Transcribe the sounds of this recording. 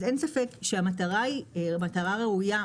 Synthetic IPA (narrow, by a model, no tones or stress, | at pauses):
ze̞nsafe̞kʃeamataʁaimataʁaʁeuja